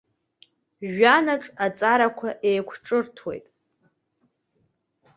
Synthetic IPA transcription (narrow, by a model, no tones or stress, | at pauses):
ʒanaʈ͡ʂʼat͡sʼaɾakʷʰaʔejkʷʰʈ͡ʂʼɨrtʰwḛjtʼ